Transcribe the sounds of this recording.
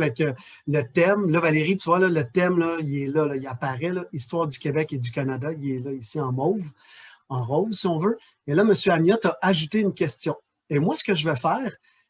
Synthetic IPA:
vɛkə | lət̪ɛmlʌvaleʁit̪yvwalʌlət̪ɛmlʌiɛlʌlʌiapaʁɛlʌist̪wɑːʁd̪ykʲebɛked̪d͡z̪ykʲanad̪aiɛlʌisiɑ̃mɔv | ɑ̃ʁɔːvsiɔ̃vø | elʌməsjøamjɔt̪ʌʔaʒut̪eynkʲɛst͡s̪jɔ̃ | emwasə̥kəʒəvɛfɛːʁ

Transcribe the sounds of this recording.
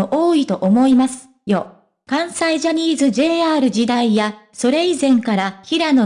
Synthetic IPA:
oʔoːit̪o̞ʔomo̞imasɨ̥ | jo̞ | kãɰ̃saiʑaɲ̟ʲiːzɨd͡ʑe̞ːaːɾɯ̟d͡ʑid̪aijaso̞ɾe̞izẽ̞ŋkaɾaçiɾano̞

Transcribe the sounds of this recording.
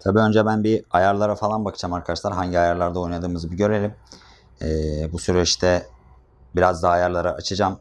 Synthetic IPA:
t̪ʰabiːø̞nd͡ʒɛbænbiajaɾlˠaɾafalˠanbakʰɯ̥d͡ʒamaɾkʰad̪aʃlˠaɾɦaɲɟiajaɾlˠaɾd̪ao̞jnad̪ɯːmɯzɯbiɟø̞ɾelʲim | ɛːbusyɾɛʃt̪ʰɛ | biɾazd̪aːjaɾlˠaɾaʔat͡ʃʰɯd͡ʒam

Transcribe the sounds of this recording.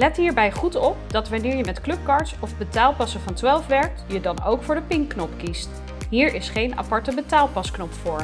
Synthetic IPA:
lɛtɦiːɹbɛjχutɔp̚dɑtʋɑnɪːɹjəmɛtklɵp̚kɑɹtsɔvbətaːlˠpɑsəvɑntʋalˠfʋɛɹk̚tjədɑnowkfʊːɹdəpɪŋkːnɔpkist | ɦiːɹɪsχejna̰pɑɹtəbətaːlˠpɑsknɔpfʊːɹ

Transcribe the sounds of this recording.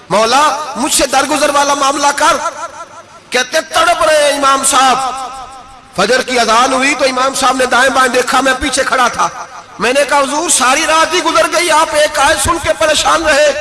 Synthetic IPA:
mɔːlaːmʊd͡ʒʱsed̪əɾɡʊzəɾʋaːlamaːmlakəɾ | keːt̪ẽt̪əɽəpɾẽɪmaːmsaːb | fʰɐd͡ʒəɾkiɐzaːlɦʊit̪oːɪmaːmsaːbned̪aːɪ̃bãːd̪eːkʰamɛ̃piːt͡ʃʰekʰəɽat̪ʰaː | mɛ̃ːnekaɦʊzuːɾsaːɾiɾaːt̪iɡʊzəɾɡəiaːpeːkaːsʊnkepəɾeːʃaːnɾəɦeː

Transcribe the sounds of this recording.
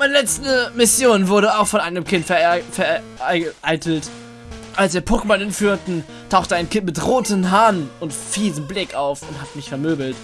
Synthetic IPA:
maɪnəlɛt͡stnmɪsjoːnvʊɐɾəaʊxfɔnʔaɪnəmkʰɪntfɛɐfɛɐ | ʔaɪʔaɪtʰl̩t | ʔalsd̥eːɐpʰʊkəmɔnɪnfyːʁtn̩ | tʰaʊxtəaɪnkʰɪntmɪtʁoːtəmɦaːnʊntfiːzəmblɪkaʊfʊnthatmɪçfɛɐmøːbl̩t

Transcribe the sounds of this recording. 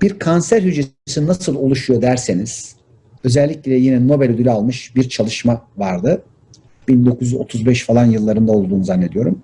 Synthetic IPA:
biɾkʰansæɾɦyd͡ʒe | sinnasɯlˠo̞lˠuʃujo̞d̪æɾseniz̥ | ø̞zɛlʲːicʲlʲɛlʲɛjinɛno̞bɛlʲod̪ylʲalˠmɯʃbiɾt͡ʃʰalˠɯʃmavaɾd̪ɯ | b̥ind̪o̞kʰuzyo̞̰t̪ʰuzbɛʃfalˠanjɯlˠːaɾɯnd̪ao̞lˠd̪uːnuzanʲːe̞d̪ijo̞ɾṵm

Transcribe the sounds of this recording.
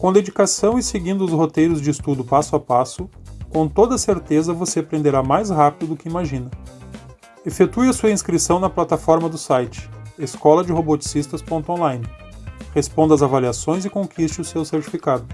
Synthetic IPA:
kõd̪ed͡ʒikasɐ̃w̃ɪseɡĩnd̪ʊsɦot̪ejɾʊzd͡ʒɪːst̪ud̪ʊpasʊapasʊkõt̪od̪ɐseɾt̪ezɐvosepɾẽnd̪eɾamajzɦapid̪ʊd̪ʊkɪimaʒĩnɐ | efet̪uɐsuɐĩskɾisɐ̃w̃nɐplat̪afɔɾmɐd̪ʊsajt͡ʃɪ̥eskɔlɐd͡ʒɪɦobot͡ʃi̥sist̪ɐspõnt̪ʊõlaj̃nɪhespõnd̪ɐzavaliasõj̃zɪkõkʰist͡ʃɪʊsewseɾt͡ʃi̥fikad̪ʊ

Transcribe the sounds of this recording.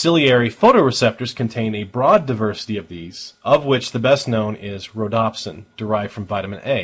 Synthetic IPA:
sɪlˠiɛɹifoʊɾoʊɹɨsɛp̚tə˞z̥kʰn̩tʰẽɪ̃nɨbɹɔdaɪvɜ˞sə̥ɾiʌvðiz̥ʌvwɪt͡ʃðɨbɛstⁿnõʊ̃nɪzɹoʊdɑpsɨ̰̃nd̥ə˞aɪvd̥fɹʌ̃ɱvaɪɾɨmɨ̃nteɪ

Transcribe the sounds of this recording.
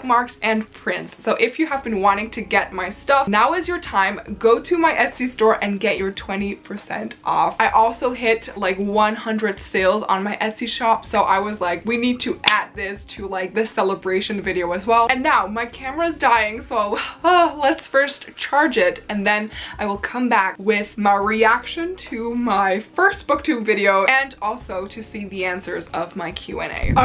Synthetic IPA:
mɑɹksɨ̃npʰɹ̥ɪ̃ntsːoʊʔɨfjɨəvbɨ̃nwɑ̃ɾ̃ɪ̃ŋtʰɨɡɛt̚maɪstʌfnaʊɨzjə˞tʰãɪ̃mɡoʊɾɨmaɪʔɛtsistɔɹʔɨ̃nɡɛt͡ʃə˞tʰw̥ɛ̃ɾ̃ipʰə˞sɛ̰̃ntʔɔ̰faɪʔɔlˠsoʊɦɪtlaɪkwʌ̃nhʌ̃ndɹɨd̥seɪlˠz̰̃n̩maɪʔɛdsiʃɑpsoʊʔaɪwʌzlaɪkwinid̚tʰɨʔæd̪̚ðɪstʰɨlaɪk̚ðɨsɛlˠəbɹeɪʃɨ̃nvɪɾioʊɨzwɛlˠɨ̃nːaʊmaɪkʰæmə˞ɨzdaɪɪ̃ŋsoʊʊʌlətsfɜ˞stt͡ʃʰɑɹd͡ʒɪɾɨ̃nðɨ̃naɪwəlˠkʰʌ̃mbækwɪð̥maɪɹiækʃɨ̃ntʰɨmaɪfɜ˞stb̥ʊk̚tʰʉ̃vɪɾioʊɨ̃nɔlˠsoʊɾɨsiðiæ̃nsə˞zʌvmaɪkʰj̥ʉ̰ɛ̰̃nḛɪ

